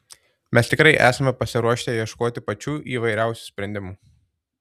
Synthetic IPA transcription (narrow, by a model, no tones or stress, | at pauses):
mʲɛst̪ʲɪkɾɐɪʔæːsɐmʲɛpɐsʲɪɾuɔʃʲt̪ʲejiɛʃkoːt̪ʲɪpɐt͡ʃʲuːʔiːʋɐɪɾʲæˑʊsʲuːsʲpʲɾʲɛnʲd̪ʲɪmuː